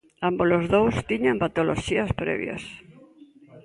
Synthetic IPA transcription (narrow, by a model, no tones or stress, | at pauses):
ambolozðowst̪iɲampat̪olo̰ʃiɐspɾɛ̰βj̰ɐ̰s